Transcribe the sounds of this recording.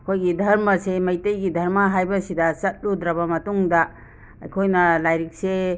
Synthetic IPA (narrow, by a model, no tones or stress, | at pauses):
ɐkʰojɡidʱɐɾmɐsemɐjtejɡidʱɐɾmɐɦajbɐsidɐsɐt̚ludɾɐβɐmɐtuŋdɐ | ɐ̰jkʰojnɐlajɾik̚se